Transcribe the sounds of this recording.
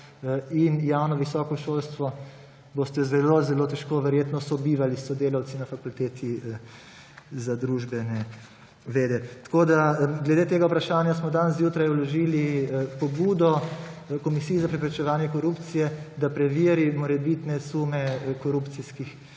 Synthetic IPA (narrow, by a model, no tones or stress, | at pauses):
injawnɔʋisɔːkɔʃolst̪ʋɔ | bost̪ɛzɛlozɛloːt̪ɛʃkoʋɛɾjeːt̪nɔsɔbiːʋalisɔd̪eːlaw̪sinafakult̪eːt̪ʰi | zad̪ɾuːʒbɛnɛ | ʋeːd̪ɛt̪ḁkoːd̪aɡlɛd̪et̪eːɡaupɾaʃaːnjasmɔd̪anzjuːt̪ɾajulɔʒilipɔbuːd̪ɔkɔmisiːjzapɾɛpɾɛt͡ʃɛʋaːnjɛkɔɾupt̪sijɛd̪apɾɛʋiːɾimɔɾɛbit̪nɛsumɛkɔɾupt̪siskix